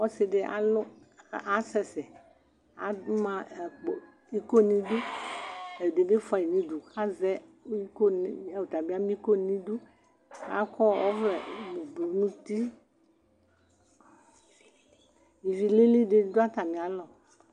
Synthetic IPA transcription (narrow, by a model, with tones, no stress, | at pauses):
wɔ˦se˨ɖe˦ʔa̰˨lo˦˨ | ʔa˨sɛ˨sɛ˨ | a̰˨du˦mã˦˨k͡po˨ | i˦ko˦nĩ˦du˦ | e˨ɖe˨ɖe˦fɔ˨i˨nĩ˨du˨ka˦zɛ˦i˦ko˦n˦˨wo˨t̪a˨bi˦a˦mĩ˦ko˦nĩ˦du˦ | a̰˦kɔ˦wɔ̰˦vlɛ˨m˨blu˨nũ˦t̪i˦ | ji˨vi˨le˦li˦ɖe˨˦do˦a˦t̪a˨mĩ˨a˨lɔ˨